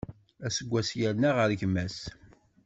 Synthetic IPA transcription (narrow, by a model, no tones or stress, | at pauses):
æsəɡʷːæsjæɾnaʁəɾʝmæs